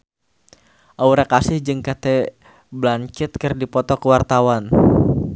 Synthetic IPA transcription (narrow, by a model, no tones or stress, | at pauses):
ʔauɾakasɪhd͡ʒɨŋkat̪ɛ | blaɲt͡ʃɪt̪̚kɨrdipɔt̪ɔkəwart̪awan